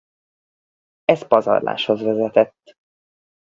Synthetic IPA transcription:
ɛspɒzɒ̰rla̰ːʃho̞zvɛzɛt̪ɛt̪ː

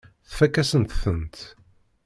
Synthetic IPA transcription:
θfækːæsənt̪θənt̪

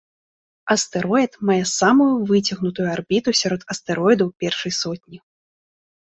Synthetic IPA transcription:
ɐst̪ɛɾɔit̪majɛsamujuvɨt͡sʲɐɣnut̪ujuarbʲit̪usʲaɾɔt̪ɐst̪ɛɾɔjd̪ɐwpʲɛrʂɐjsɔt̪̚ʲnʲi

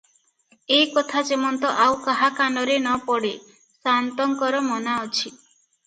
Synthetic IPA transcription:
ekɔt̪ʰad͡ʒemɔnt̪ɔʔawkaɦakanɔɾenɔpɔɽe | sant̪ɔŋkɔɾɔmɔnaɔt͡ʃʰi

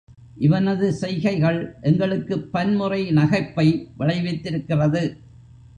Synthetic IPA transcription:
ʔɪʋɐnɐðɯsɛɪɣɐɪɣɐɭʔɛŋɡɐɭɯkːɯpːɐnmɯrɐɪnɐɣɐɪpːɐɪʋɪɭɐɪʋɐɪt̪ːɪɾɯkːɪrɐðɯ

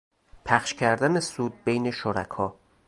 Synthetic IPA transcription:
pʰæxʃcʰæɾd̪ænesuːd̪̚bejne̞ʃoɾæ̰kʰɒː

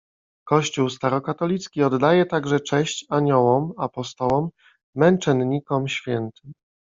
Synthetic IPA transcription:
kɔɕt͡ɕuwst̪aɾɔkat̪ɔlʲit̪skʲiɔd̪ːajɛt̪aɡʐɛt͡ʂɛɕt͡ɕaɲɔwɔmapɔst̪ɔwɔmː | ɛnt͡ʂɛnɲikɔmɕfʲjɛnt̪ɘm

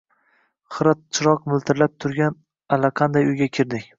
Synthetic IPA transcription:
χɨɾat̪̚t͡ʃʰɪɾɒqmɪlˠt̪ʰɪɾlap̚t̪ʰʊɾɡʲan | alaqʰɑnd̪ajʊjɡʲakʲʰɪɾd̪ɪkʲ

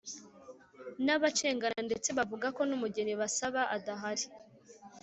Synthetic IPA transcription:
naβat͡ʃe̞ːŋɡanande̞t͡se̞βavuɡako̞numuɟe̞niβasaβaʔadaɦaɾi̥

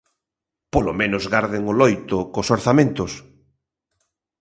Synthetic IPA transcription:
polomẽnʊzɣaɾðɪŋʊlɔjt̪ʊkosoɾθamẽnt̪ʊs

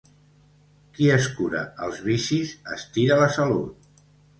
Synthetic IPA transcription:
kiəskuɾə̰əlˠzβisizə̰st̪iɾələsəlut̪̚

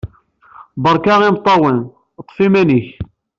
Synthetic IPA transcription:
bəɾˤkɑʁimt̪ˤːɑwən | t̪ˤːfimæniç

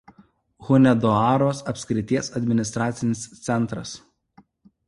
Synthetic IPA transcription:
ɣʊnʲɛd̪ɔɑːɾoːsɐpʲsʲkʲɾʲɪt̪ʲiɛsɐd̪ʲmʲɪnʲɪst̪ɾɑːt̪sʲɪnʲɪst̪sʲɛnˑt̪ɾɐs

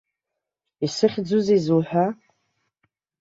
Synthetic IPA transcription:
isɨχʲd͡zuzizuħʷᶣa

